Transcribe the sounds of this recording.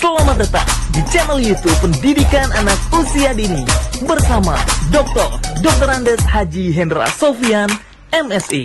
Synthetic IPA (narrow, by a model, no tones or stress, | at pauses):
səlamadət̪a̰ŋ̚dit͡ʃɛnɛljut̪upːəndidikananak̚usiadinibərsama̰dɔk̚t̪ɔrdɔk̚t̪randɛshad͡ʒiɦɛndɾa̰sofian | ɛmɛsi